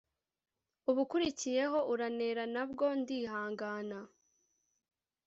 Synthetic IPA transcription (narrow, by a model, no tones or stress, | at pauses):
uβukuɾicije̞ɦo̞ʔuɾane̞ɾanabɡo̞ndiːɦaːŋɡaːna